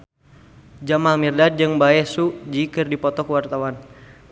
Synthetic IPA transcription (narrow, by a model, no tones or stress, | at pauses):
d͡ʒamalmirdad̚d͡ʒɨŋbaɛsud͡ʒikɨrdipɔt̪ɔkəwart̪awan